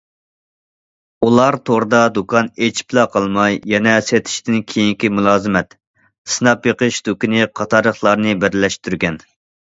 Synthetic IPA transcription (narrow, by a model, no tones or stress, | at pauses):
ulˠɑɾt̪ʰoɾd̪ɑd̪ukʰɑnet͡ʃʰi̥plˠɑqʰɑlˠmɑjːɛnɛset̪ʰɪ̥ʃt̪ɪnkʲʰejiŋkʲimulˠɑːzɨmɛt̪ | sɨnɑpjeqəʃd̪ukʲinɨqʰɑt̪ʰɑɾəχlˠɑɾnɨbɛɾlɛʃt̪ʰyɾɡʲɛn